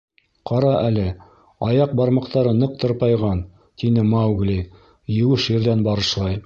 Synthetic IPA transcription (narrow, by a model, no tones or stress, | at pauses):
qɑɾɑʔælɘ | ɑjɑq̚bɑɾmɑqt̪ɑɾɤnɤq̚t̪ɤ̆ɾpɑjʁɑn | t̪inɘmawɡlʲi | jɘ̆wɘʃɘ̆ɾðænbɑɾɤ̆ʃlˠɑj